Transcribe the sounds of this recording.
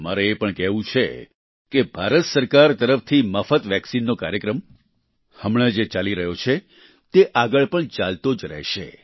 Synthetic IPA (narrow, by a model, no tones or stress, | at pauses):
ma̰ɾeːpəɳkɛʋũt͡ʃʰe | kebʱaɾət̪səɾkaɾt̪əɾəft̪ʰiməfət̪ʋɛksinːokaɾjəkɾəm | həmɭed͡ʒet͡ʃaliɾəɦjot͡ʃʰe | t̪eʔaɡəɭpəɳt͡ʃalt̪od͡ʒɾɛ̰ɦʃḛ